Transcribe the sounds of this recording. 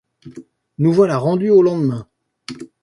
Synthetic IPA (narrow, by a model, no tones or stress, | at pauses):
nuvwalaʁɑ̃d̪yolɑ̃d̪mɛ̃